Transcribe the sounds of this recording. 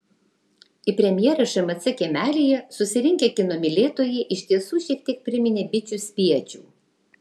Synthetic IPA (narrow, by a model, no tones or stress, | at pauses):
ɪpʲɾʲɛmʲjɛːɾɐʃɐmɐt̪sʲɛkʲɛmʲæːlʲijɛsʊsʲɪɾʲɪŋʲkʲɛkʲɪnomʲɪlʲeːt̪oːjɛːʔɪʃʲt̪ʲiɛsuːʃʲiɛk̚t̪ʲiɛk̚pʲɾʲɪmʲɪnʲeːbʲɪt͡ʃʲusʲpʲiɛt͡ʃʲuˑː